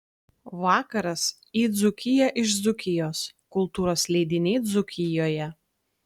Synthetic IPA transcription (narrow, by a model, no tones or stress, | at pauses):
ʋɑːkɐɾɐs | iːd̪zʊkʲɪjɛʔɪʃd̪zʊkʲɪjoːskʊlˠt̪uːɾoːslʲɛɪd̪ʲɪnʲɛɪd̪zʊkʲɪjoːjɛ